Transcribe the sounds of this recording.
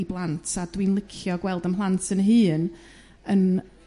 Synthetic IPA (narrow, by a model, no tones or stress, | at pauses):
iblˠantʰadwinlˠɪkʰjɔɡwɛlˠdəmɦlˠantʰənɦɨːn | ən